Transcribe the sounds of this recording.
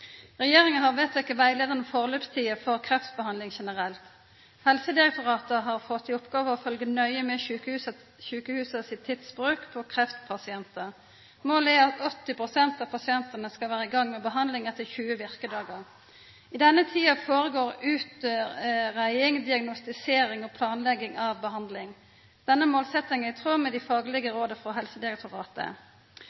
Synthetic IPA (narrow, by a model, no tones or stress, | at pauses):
ʁɛjeːʁɪŋənhɑʁʋɛt̪ːɛɪkːəʋæɪleːd̪ənəfɔʁløːpst̪ʰiːəfɔʁkʰʁɛft̪bəhɑnd̪lɪŋʃɛnəʁɛlt̪ | hɛlsəd̪ɪʁɛk̚t̪ʊʁɑːt̪əɦɑʁfɔt̪ʰːɪʊpɡɑːʋəɔfœlɡənœʏəmɛʉkəʉs | çʉːkəhʉːsəsɪt̪ʰːɪt̪sbʁʉːkpʰɔkʰʁɛft̪pʰɑsɪɛnt̪ə | moːlɛɑt̪ɔt̪ːɪpʁʊsɛnt̪ɑːʋpʰɑsɪɛnt̪ənəskɑʋæːʁəɪɡɑŋːmɛːbəɦɑnd̪lɪŋɛt̪ʰːəçʉːəʋɪʁkəd̪ɑːɡəʁ | ɪd̪ɛnːət̪ʰiːɑfoːʁəɡoːɾʉːt̪əʁæɪɪŋd̪ɪɑɡnʊst̪ɪseːɾɪŋɔpʰlɑːnlɛɡɪŋɑʋbəɦɑnd̪lɪŋ | d̪̥ɛnːəmoːlsɛt̪ɪŋəɪt̪ʰʁuːmɛd̪ɪfɑːɡəlɪɡəɾoːd̪əfʁɔɦɛlsəd̪ɪɛk̚t̪ʰʊʁɑːt̪ə̰